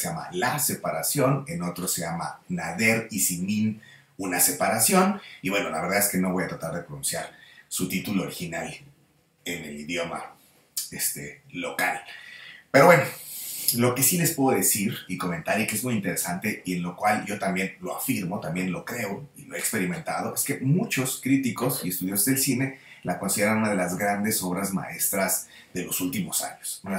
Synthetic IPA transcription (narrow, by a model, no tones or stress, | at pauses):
ama̰lase̞paɾasjo̞ne̞no̞t̪ɾoseʝama̰naðe̞ɾisimĩn | unase̞paɾasjo̞niβwe̞no̞la̰βe̞ɾðaðeske̞no̞β̞o̞jat̪ɾat̪aɾðe̞pɾonũnsjaɾsut̪it̪uloːɾixinal | e̞ne̞̰liðjo̞ma̰ | est̪e̞̰ːo̞kalpe̞ɾo̞βwe̞no̞lo̞ke̞sile̞spwe̞ðoðe̞siɾiko̞ment̪aɾjikeezmujint̪e̞ɾe̞sant̪e̞ie̞nlo̞kwalɟ͡ʝo̞t̪ambje̞nlo̞a̰fiɾmo̞t̪ambje̞nlo̞kɾe̞oiloe̞kspe̞ɾimẽ̞nt̪að̞o̞ʔe̞ske̞mut͡ʃo̞skɾit̪iko̞sie̞st̪uðjosozðe̞lsine̞lako̞nsiðe̞ɾanũnað̞e̞lazɣɾand̪e̞so̞β̞ɾazma̰e̞st̪ɾaz | ðe̞lo̞sult̪imo̞sa̰ɲosuna